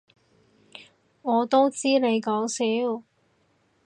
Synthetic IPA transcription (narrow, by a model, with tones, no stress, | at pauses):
ŋɔː˨˧t̪o˥wt͡siː˥ne˨˧jkɔː˨˥wsiː˨˥w